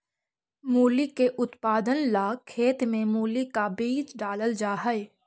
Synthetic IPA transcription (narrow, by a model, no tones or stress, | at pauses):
muːlikeʔʊt̪paːd̪ənlaːkʰːeːt̪mẽmuːlikabiːt͡ʃɖaːləld͡ʒaːɦəe